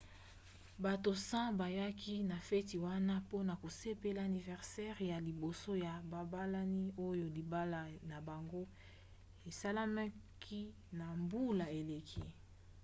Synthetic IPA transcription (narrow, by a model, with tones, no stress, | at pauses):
ba˨to˨sã˦ba˨ja˦kʰi˦na˨fɛ˦ti˨wa˦na˦po˦na˨ko˨se˦pe˦la˦˨a˨ni˨vɛ˨ʁsɛ˦ʁja˨li˨bo˨so˦ja˨ba˨ba˦la˦ni˦o˦jo˨li˨ba˦la˨na˨ba˨ŋɡo˦ | e˨sa˦la˦ma˦kʰi˦ | na˨mbu˦la˨e˨le˨kʰi˦